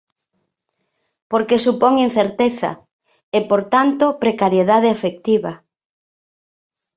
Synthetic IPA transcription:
poɾkesupɔŋin̟θeɾt̪eθa̰ | epoɾt̪ant̪opɾekaɾjeðað̞eafek̚t̪iβɐ

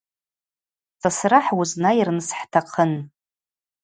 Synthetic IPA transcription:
sasraħwuznajirnsħtʰaqʰən

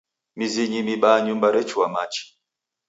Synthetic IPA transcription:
miziɲimiɓaɲumbaɾɛt͡ʃuamat͡ʃi̥

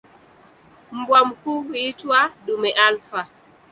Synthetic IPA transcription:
m̩bwam̩kuitwaɗumɛʔalfa

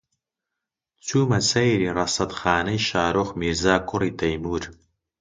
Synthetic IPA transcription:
t͡ʃʰuːmɐt͡sʰɐjɾiːrɐsɐdχaːnɐjʃaːɾoχmiːrzaːkʷʼʊritʰɐjmuːr

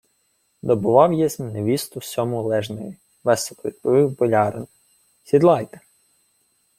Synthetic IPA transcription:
d̪ɔbʊʋɑwjɛzʲmneʋʲist̪ʊsʲɔmʊlˠɛʒnɔji | ʋɛsɔpɔʋʲid̪̚pɔʋɪwbɔlʲɑɾɪn | sʲid̪lˠɑjt̪ɐ̥

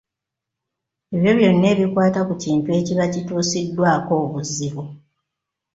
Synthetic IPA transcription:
eβjo̞βjo̞nːe̞ːβikwaːtakuciːntue̞ːciβacituːsidːwaːko̞ːβuzːiβu

